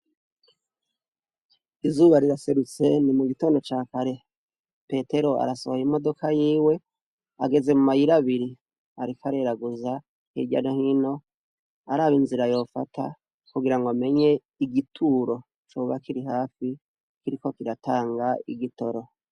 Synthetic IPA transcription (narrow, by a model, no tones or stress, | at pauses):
izuːβaɾiɾase̞ɾut͡se̞nimuɡitoːndo̞t͡ʃaːkaɾe̞ | pe̞te̞ɾo̞a̰ɾasohojimo̞do̞kajiːwe̞ | a̰ɡe̞ze̞mumajiɾaβiɾi | aɾikʰaɾe̞ɾaɡuza | hḭɟa̰nohino̞ | aɾaːβinziɾajo̞ːfatʰa̰ | kuɡiɾaŋɡome̞ɲe̞ | iɡitʰuːɾo̞ | t͡ʃoːβakiɾiɦaːfi | kiɾiko̞kiɾatʰaːŋɡaḭɡito̞ɾo̞